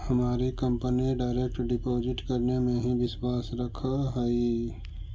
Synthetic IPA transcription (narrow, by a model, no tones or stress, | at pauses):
hɐmaːɾikə̃mpəniɖaːɪɾeːk̚ʈɖɪpoːzɪʈkɐɾnemẽɦĩbɪswaːsɾɐkʰaɦɛi